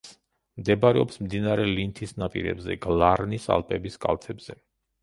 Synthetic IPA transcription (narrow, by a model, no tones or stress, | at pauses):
s | md̪ɛbaɾɛɔpsmd̪inaɾɛlint̪ʰisnapʼḭɾɛ̰bzɛ̰ɡlˠaɾnisa̰lˠpʼɛbiskʼa̰lˠt̪ʰɛbz̥ɛ